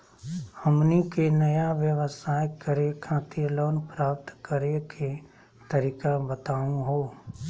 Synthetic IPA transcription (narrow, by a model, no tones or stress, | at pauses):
həmnikenəjaʋjəʋəsaːjkəɾekʰãːt̪iloːnpɾaːp̚t̪kəɾekʰe | t̪əɾiːkabət̪aːũɦoː